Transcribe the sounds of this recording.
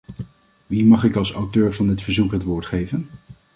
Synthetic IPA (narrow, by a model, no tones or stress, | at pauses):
ʋimɑχɪkɑlˠsawtøːɹvɑndɪtfəɹzukɦətʋoːɹtχejvən